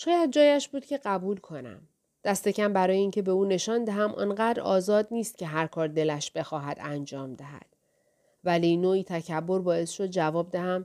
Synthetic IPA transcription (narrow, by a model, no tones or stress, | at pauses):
ʃɒːjæd̪̚d͡ʒɒːjæʃbuːd̪̥cʲʰe̞ɢæbuːlkʰo̞næ̰m | d̪̥æst̪e̞cʰæmbæɾɒːjeincʰe̞be̞uːne̞ʃɒːnd̪æɦæmʔɒ̰ːnɢæːd̪ɾɒ̰ːzɒːd̪̚niːst̪̚cʰe̞ɦæɾkʰɒːɾd̪e̞læʃb̥e̞xɒːɦæd̪ænd͡ʒɒːmd̪æɦæ̰d̪̥ | vælinoːiːt̪ʰæcʰæbːo̞ɾbɒːe̞sʃod̪̚d͡ʒævɒːb̚d̪æhæm